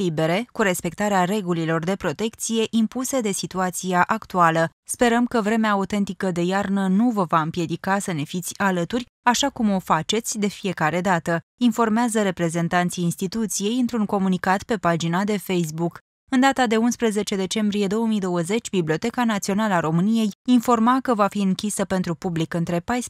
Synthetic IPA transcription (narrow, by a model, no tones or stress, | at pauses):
libe̞ɾe̞kuɾe̞spe̞k̚t̪aɾeaɾe̞ɡulilo̞rd̪e̞pɾo̞t̪e̞kt̪sije̞ʔimpused̪e̞sit̪uat̪siaʔakt̪ualə | spe̞ɾəmkəvɾe̞meaːut̪e̞nt̪ikəd̪e̞jarnənuvəvaɨmpje̞d̪ikasəne̞fit̪sʲalət̪urʲ | aʃakumo̞fat͡ʃe̞t̪sʲd̪e̞fije̞kaɾe̞d̪at̪əinfo̞rmeazəɾe̞pɾe̞ze̞nt̪ant̪sijːnst̪it̪ut̪sije̞jɨnt̪ɾuŋko̞munikat̪pe̞pad͡ʒinad̪e̞fe̞js̬buk | ɨnd̪at̪ad̪e̞unspɾəze̞t͡ʃe̞d̪e̞t͡ʃe̞mbɾije̞d̪o̞wəmijd̪o̞wəze̞t͡ʃʲbiblʲio̞t̪e̞kanat̪sio̞nalaɾo̞mɨnije̞jinfo̞rmakəvafiɨŋkʲisəpe̞nt̪ɾupublikɨnt̪ɾe̞pajs